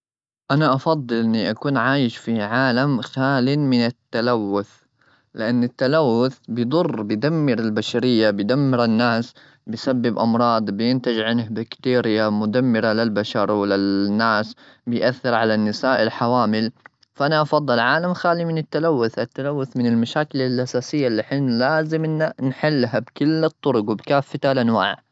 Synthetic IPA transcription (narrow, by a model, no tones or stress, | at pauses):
ʔanaʔɑfɑd̪ˤːɨlʔɪnːiʔakuːnʕaːjɪʃfiʕaːlamxaːlimɪnɪt̪ːalawːʊθ | lɪʔanːɪt̪ːalawːʊθbɪjd̪ˤʊrˤːbɪd̪amːɪɾɪlbaʃaɾɪjːabɪjd̪amːɪɾɪnːaːs | bɪjsabːɪbʔɑmɾˤɑːd̪ˤbɪjɪnt̪ɪd͡ʒʕɪnhbakt̪iːɾɪjamʊd̪amːɪɾalɪlbaʃɑɾˤwlɪnːaːs | bɪjʔaθːɪɾʕalanːɪsaːʔɪlħawaːmɪl | faʔanaʔɑfɑd̪ˤːɨlʕaːlamxaːlimɪnɪt̪ːalawːʊθʔat̪ːalawːʊθmɪnɪlmaʃaːkɪlɪlʔasaːsɪjːalːɪħiːnlaːzɪmnnħɪlːɦabkɪlːɨt̪ˤːʊɾʊɡwɪbkaːfːat̪alʔanwa̰ːʕ